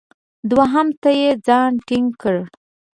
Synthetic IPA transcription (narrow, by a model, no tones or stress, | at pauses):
d̪waɦamt̪ajed͡zɑnʈɪŋɡkəɽ